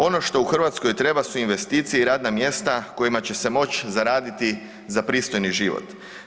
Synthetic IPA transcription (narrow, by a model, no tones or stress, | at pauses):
o̞no̞ʃt̪o̞uxr̩ʋat̪sko̞jt̪ɾe̞basuinʋe̞st̪iːt̪sijeiɾaːd̪namje̞st̪ako̞jimat͡ɕe̞se̞mo̞t͡ɕzaɾaːd̪it̪i | zapɾiːst̪o̞jniʒiʋo̰t̪